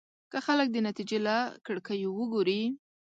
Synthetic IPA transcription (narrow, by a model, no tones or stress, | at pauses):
kəxalək̚d̪ənat̪id͡ʒelakəɽkəjowəɡoɾi